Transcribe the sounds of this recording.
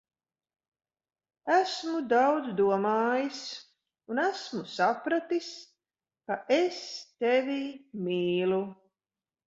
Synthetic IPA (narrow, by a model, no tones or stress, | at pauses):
æsmud̪awd̪zd̪uɔmaːjis | unæsmusapɾat̪is | kaʔest̪ɛvʲimiːlu